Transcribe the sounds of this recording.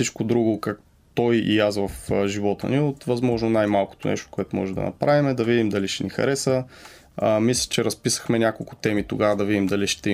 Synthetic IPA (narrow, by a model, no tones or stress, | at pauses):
sit͡ʃkʊd̪ɾuɡʊkak | t̪ɔjḭasvɐfʒivɔt̪ə̰niot̪vɐzmɔʒnonajmalˠkʊ̥t̪ʊnɛ̰ʃt̪ʊ̥kʊɛt̪omɔ̰ʒɛd̪ɐ̰nɐ̰pɾavimɛd̪ɐvid̪imd̪ɐliʃɛnixɐ̰ɾɛsə | mislʲə̥t͡ʃɛɾɐspisə̥xmɛnʲakolˠkʊt̪ɛmit̪oɡavɐd̪ɐvid̪imd̪ɐliʃt̪ɛi